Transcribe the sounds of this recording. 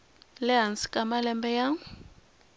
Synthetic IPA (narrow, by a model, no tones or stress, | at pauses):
lɪɦansi̥kʼamalɛmbɛjaːŋʊ